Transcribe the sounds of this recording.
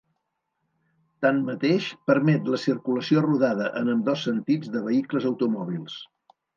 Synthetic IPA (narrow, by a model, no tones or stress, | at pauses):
t̪ammət̪eʃpəɾmɛt̪ləsiɾkuləsioruðaðəʔənəmd̪ɔsːənt̪id͡zðəβəikləzəwt̪umɔβ̞ilˠs